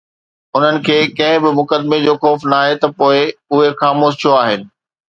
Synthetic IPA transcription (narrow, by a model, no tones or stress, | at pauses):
ʊn̤ənɪ̆kʰeːkɐ̃ɦɪ̃bɪmʊkəd̪med͡ʑoːxɔːfnaːɦet̪ɐpoːɪʊɦexaːmoːʃt̪ʰijoaːɦɪnɪ̆